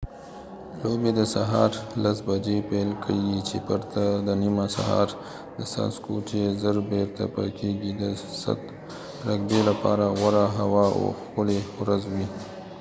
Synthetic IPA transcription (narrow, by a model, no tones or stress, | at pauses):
lobed̪əsaɦɑɾlasbad͡ʒepelkʰəɡit͡ʃepəɾt̪ad̪ənimasa̰ɦɑ̰ɾ | d̪əsa̰skot͡ʃezəɾbeɾt̪a̰pə̰keɡid̪əsa̰t̪ | ɾaɡbelapɑɾaɣaɾaɦawɑo̰xpəlewɾazwi